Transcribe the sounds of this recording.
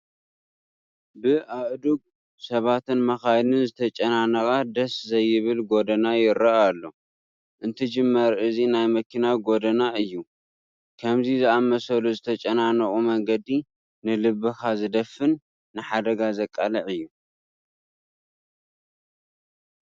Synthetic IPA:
bɨʔaʔd̪uɡ̚ | sɐβat̪ɨnmɐxajlɨnzɨt̪ʰɐt͡ʃʼɐnanɐkʼad̪ɐszɐjɪβɨlɡod̪ɐnajɪɾɐʔalːo̞ | ʔɨnt̪ʰɐd͡ʒɨmːɐɾɨzinajmɐkʰinaɡo̞d̪ɐnaɨjːu | kʰɐmzizɨamɐsɐluzɨt̪ʰɐt͡ʃʼɐnanɐkʼumɐŋɡɐd̪i | nɨlɨβːɨxazɨd̪ɐfɨnː | ɨħad̪ɐɡazɐkʼːalɐʕɨjːu

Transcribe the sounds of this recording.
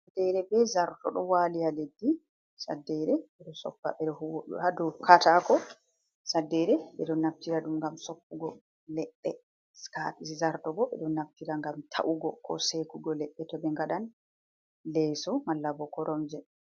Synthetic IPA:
sadɛɾɛbɛzaɾtɔ̰ɗɔwaːlijaledːi | sa̰dːɛɾɛɓɛɗɔsɔ̰pːa̰ɓɛɗɔhuwoɗṵhadɔkʰatakɔ | sadːɛɾɛɓɛ̰ɗɔnːaftiɾaɗumŋɡamsɔpːuɡɔ | lɛɗːɛ | skapisizaɾtɔɡɔɓɛ̰ɗɔnaftiɾaŋɡamtʰa̰ʔuɡɔkʰɔ̰sekuɡɔlɛɗːɛtɔbɛŋɡaɗan | lɛːsɔmalːabɔkɔɾɔmd͡ʒɛ

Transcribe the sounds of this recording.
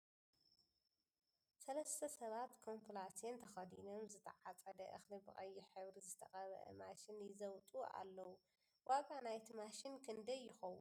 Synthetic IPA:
sɐlɐst̪ʰɐsɐβat̪kʰo̞mpʰulasient̪ʰɐxɐd̪ino̞mzɨt̪ʰɐ̰ʕat͡sʼɐd̪ɐʔɨxlibɨχʼɐjːɪħɨβɾizɨt̪ʰɐxʼɐβɐ̰ʔɐ̰maʃɪnjɪzɐwt̪ʼua̰lːɐwu | wʔaɡanajt̪ʰimaʃinkʰɨnd̪ɐjːɪxɐwṵn

